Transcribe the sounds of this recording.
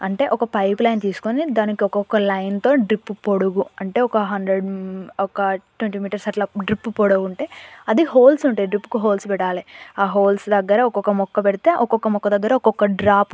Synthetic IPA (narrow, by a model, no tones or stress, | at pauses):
ɐɳʈe̞ːʔɔkɐpɐjplɐjnt̪iːsu̥konid̪aːnikiɔkɔkːɐlɐjnt̪o̞ːɖɾipːupoɽuɡuɐɳʈe̞ːɔkɐɦɐnd̪ɾeɖɔkɐʈweɳʈiːmiːʈɐɾsɐʈlɐɖɾipːupoɽuɡuɳʈe̞ːɐd̪iɦoːlsuɳʈaːiɖɾipːu̥kuɦoːlspɛʈːaːliaːɦoːlsd̪ɐɡːɐɾɐɔkɔkɐmɔkːɐpɛɽit̪e̞ːʔɔkɔkːɐmɔkːɐd̪ɐɡːɐɾɐɔkɔkːɐɖɾaːp